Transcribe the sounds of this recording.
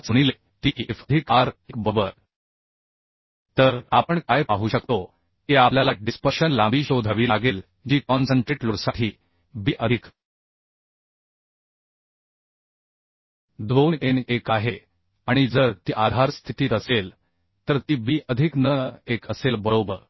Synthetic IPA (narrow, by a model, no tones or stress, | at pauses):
t͡suɽ̃ile | t̪iːʔefəd̪ʱikaɾekbəbəɾ | t̪əɾapəɳkajpaɦuɕəkt̪o | kiapljalaɖispəɾɕənlãbiːɕod̪ʱaʋiːlaɡel | d͡ʑiːkɔnsəɳʈɾeʈluɽsaʈʰiː | biːʔəd̪ʱik | d̪ʋonenekaɦe | aɽ̃id͡zəɾt̪iːʔad̪ʱaɾst̪ʰit̪iːt̪əsel | t̪əɾt̪iːbiːʔəd̪ʱiknəekəselbəɭobəɾ